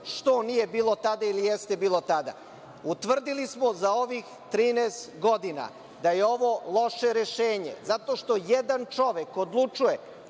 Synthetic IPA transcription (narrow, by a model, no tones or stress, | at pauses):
ʃt̪o̞nijebiːlˠo̞t̪ad̪ailijest̪e̞biːlˠo̞t̪ad̪a̰ | ut̪ʋr̩d̪ilismo̞zao̞ʋix | t̪ɾiːnest̪ɡo̞d̪ina̰ | d̪aje̞o̞ʋo̞lˠo̞ʃeɾeʃeːɲe̞̰zat̪o̞ʃt̪o̞jed̪ant͡ʃo̞ʋekod̪lˠut͡ʃuje